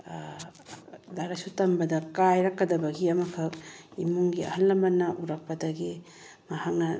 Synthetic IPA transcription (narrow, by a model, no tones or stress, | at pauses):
daɾɐsutɐmbɐdɐkajɾɐkːɐdɐbɐɡiɐmɐkʰɐk̚imuŋɡiɐ̰hɐlːɐmbɐnɐʔuɾɐk̚pɐdɐɡi | mahak̚nɐ